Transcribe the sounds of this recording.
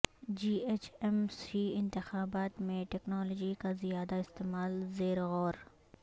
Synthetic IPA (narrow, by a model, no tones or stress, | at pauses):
d͡ʒiːeːt͡ʃɛmsiːɪ̃nt̪ɪxaːbaːt̪mẽʈɛknɔːloːd͡ʒikazijaːd̪aɪst̪eːmaːlzeːɾɣɔːɾ